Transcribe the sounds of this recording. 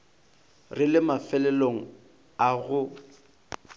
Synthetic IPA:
rɪlɪmafɛlɛloŋ̩ | aɣʊ

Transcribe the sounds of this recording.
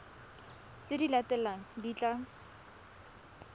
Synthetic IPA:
t͡sɪdilatɛlaŋ̩dit͡ɬa

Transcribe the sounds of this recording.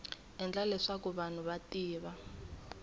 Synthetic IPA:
ɛnd͡ɮalɛʂakuβan̤uβatiːβa

